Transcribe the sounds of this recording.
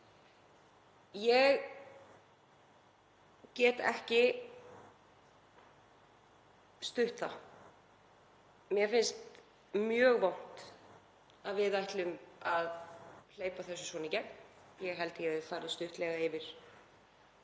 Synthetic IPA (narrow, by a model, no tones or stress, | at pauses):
jɛɣ | cɛːt̪ɛ̰hcɪ | st̪ʏht̪a̰ | mjɛfɪnst̪ | mjœːɣvawn̥t̪ | aðvɪðajht̪lʏmaðl̥eːjpaθɛsːʏ̥svɔːnɪcɛm | jɛɣɦɛl̪t̪ɪjɛɪðfaːɾɪst̪ʏht̪lɛːɣaɪvɪɾ̥